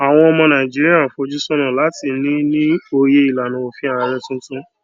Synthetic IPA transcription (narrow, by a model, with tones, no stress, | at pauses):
a˨w̃ɔ̃˧ɔ˧mɔ̃˧nã˨i˨d͡ʒi˦ɾi˦a˦˨fo˧d͡ʒu˦sɔ̃˦nã˨la˨˦ti˧˨nĩ˦nĩ˦o˧je˧i˨la˨nũ˨˧o˨fĩ˦a˦˧ɾɛ˧tũ˦tũ˦